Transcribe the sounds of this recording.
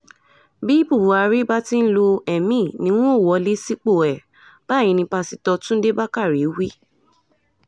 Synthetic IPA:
bi˦bu˦˨wu˨˦a˧ɾi˦ba˦ti˦n̩˦lo˧ɛ˨mĩ˦˨nĩ˧˦w̃ɔ̃˦˨wɔ˨˦le˦si˦k͡po˦˨ɛ˨ | b̥a˦˨jĩ˨˧nĩ˧pa˧si˧tɔ˧tũ˦de˦ba˦ka˦˨ɾi˨˦wi˦

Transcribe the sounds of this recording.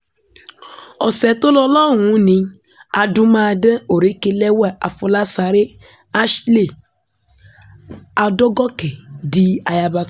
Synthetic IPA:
ɔ˨sɛ˨tʊ˦lɔ˦lɔ˦˨ŋũ˨˦nĩ˧ | a˨dʊ˦ma˦de˦o˨ɾe˨˦ke˧le˦wɛ˦˨ʔa̰˨fʊ˧la˦sa˨ɾɪ˦ | a˦ʃle˦˨ | a˨dɔ˦ɡɔ˦kɛ˨di˦a˨ja˨ba˧t

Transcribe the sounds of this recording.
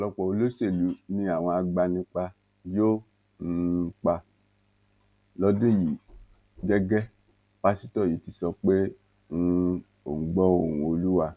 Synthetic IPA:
lɔ˧k͡pɔ˨o˧lo˦se˦˨lu˨˦nĩ˧˦a˦˨w̃ɔ̃˧a˧ɡ͡ba˧nĩ˧k͡pa˧ | jo˦ | n̩˧k͡pa˧ | lɔ˦dĩ˦˨ji˨˦ | ɡɛ˦ɡɛ˦ | pa˧si˦tɔ˦˨ji˨˦ti˧sɔ˧k͡pe˦ | ũ˧ | o̰˨ɡ͡bɔ˦o˦˨ũ˨˧o˧lu˦wa˧

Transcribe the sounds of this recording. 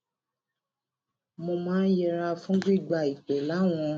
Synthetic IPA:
mo˧mãː˦jɛ˧ɾa˧fũ˦ɡ͡bi˦˨ɡ͡ba˧˨i˨k͡pɛ˨la˨˦w̃ɔ̃˧

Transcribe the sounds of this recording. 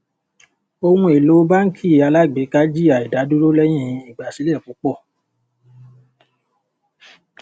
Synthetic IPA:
o˧hũ˧e˨lo˨˦ba˦ŋ̩˦kʰi˦˨a˨˧la˦ɡ͡be˨˦ka˦d͡ʒi˦a˨i˨da˨˦du˦ɾo˦lɛ˦j̃ĩ˦˨˧i˨ɡ͡ba˨si˨˦lɛ˦˨k͡pu˨˦k͡pɔ˦˨

